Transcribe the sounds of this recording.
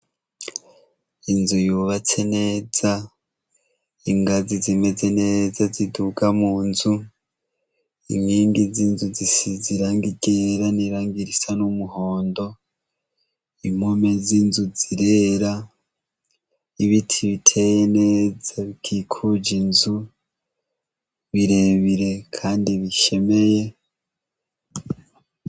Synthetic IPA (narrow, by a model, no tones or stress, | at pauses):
inzujuːβat͡se̞ne̞ːz̥a | iŋɡazizime̞ze̞ne̞ːzaziduɡamuːnzu | ḭŋiːŋɡizinzuzisiziɾaːŋɡiɟeɾaniɾaːŋɡiɾisanumuho̞ːndo̞ | imome̞ziːnzuziɾeːɾa | iβitʰiβitʰe̞jeneːzaβikʰikʰud͡ʒinzu | βiɾe̞βiɾe̞kʰaːndiβiʃe̞me̞je̞